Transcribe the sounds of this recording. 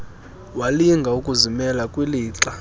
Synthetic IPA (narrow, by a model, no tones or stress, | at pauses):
waliŋɡʱaukʼuzimɛlakʼwiliːǁa